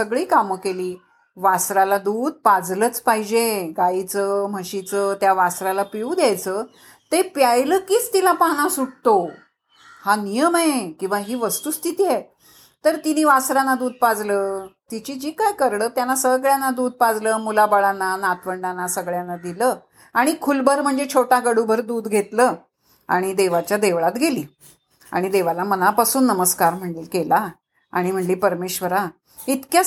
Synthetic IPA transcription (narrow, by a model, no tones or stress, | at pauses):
səɡɭiːkaməkeliː | ʋasɾalad̪uːd̪̚pad͡zlət͡spaɦid͡ʑeɡait͡səm̤əɕit͡səːt̪jaʋasɾalapiud̪jajt͡səː | t̪epjajləːkiːt͡st̪ilapaɽ̃ãsuɽt̪o | hanijəmekĩw̃ʋaɦiːʋəst̪uːst̪ʰit̪iːɛ | t̪əɾt̪iniːʋasɾanːad̪uːd̪̚pad͡zləːt̪it͡ɕid͡ʑiːkajkəɾɽəːt̪janːasəɡɭjanːad̪uːd̪̚pad͡zləːmulabəɭanːanat̪ʰʋəɳɖanːasəɡɭjanːad̪iləː | aɽ̃ikʰulbəɾm̤əɳd͡zet͡ɕʰoʈaɡəɽubʱəɾd̪uːd̪ɡʱet̪ləː | a̰ɽ̃id̪eʋat͡ɕjad̪eʋɭat̪ɡʱeliː | a̰ɽ̃id̪eʋalamənapasuːnːəməskaɾm̤əɳlelkela | a̰ɽ̃im̤əɳliːpəɾmeɕʋəɾa | it̪kja